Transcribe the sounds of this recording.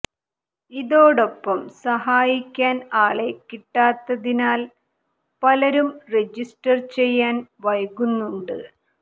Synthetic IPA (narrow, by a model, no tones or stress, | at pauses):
iðo̞ːɽo̞pːɐmsɐɦaːjikʲːaːnaːɭe̞kːiʈːaːt̪ːɐðinaːl | pɐlɐɾumre̞d͡ʑisʈɐrt͡ɕe̞jːaːnʋɐjɐɣunːuɳɖɨ